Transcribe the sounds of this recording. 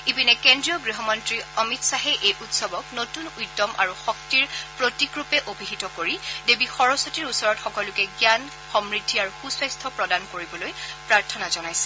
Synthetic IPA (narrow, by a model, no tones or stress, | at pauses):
ibinɛkendɹijɔɡɹiɦɔmɔntɹiɔmitsaɦɛʔejʔutsɔbɔknotunujtːɔmʔa̰ɹuxɔk̚tiɹpɹotikɹupɛʔobʱiɦitɔkoɹidebixɔɹɔsotiɹusɔɹɔtxɔkɔlʊkɛɡjan | xɔmɹidʱːiaɹuxuswastʰɔpɹɔdankoɹibɔlojpɹaɹtʰɔnazɔnajsɛ̥